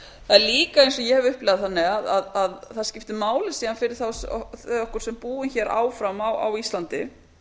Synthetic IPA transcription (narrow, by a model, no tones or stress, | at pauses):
θaðɛɾliːkaejnsɔjɛhɛvʏhplɛːɣðaθanːɪaðaðaðθaðscɪft̪ɪmaːwlɪsiːanfɪɾɪɾ̥θawθɔhkʏɾ̥sɛmpuːɪnçɛːɾʔa̰ːwfɾamawa̰wist̪lant̪ɪ̰